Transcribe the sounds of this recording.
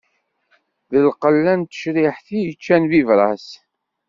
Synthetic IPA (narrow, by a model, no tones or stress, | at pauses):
ðəlqəlːænt̪ə̥ʃɾɪħθijət͡ʃːænvivɾˤɑs